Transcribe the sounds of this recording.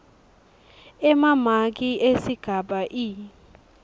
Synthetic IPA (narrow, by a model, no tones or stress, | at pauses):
ɛmamak̬iʔesiɡ̥ʱaɓaʔi